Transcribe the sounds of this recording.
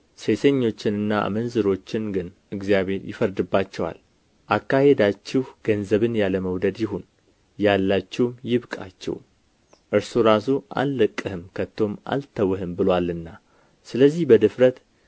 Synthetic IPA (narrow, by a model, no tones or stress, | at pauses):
sesəɲːo̞t͡ʃːɪnɨnːa̰mənzɨɾo̞t͡ʃːɪnɡɨn | ɨɡzjaβhe̞ɾjɪ̰fəɾd̪ɨbːat͡ʃːɛwa̰l | ʔakːahe̞d̪at͡ʃːɪhɡ̥ənzəβɨnjaləməwd̪əd̪jɪɦun | jalːat͡ʃːɛwmjɪβkʼa̰t͡ʃːɛ̰w | ʔɨɾsuɾas̬uʔa̰lːɨkʼːɨhɨmkʰət̪ːo̞ma̰lt̪ʰːəwːɨɦɨmbɨlwalːɨnːa | sɨləzːihbəd̪ɨfɾət̪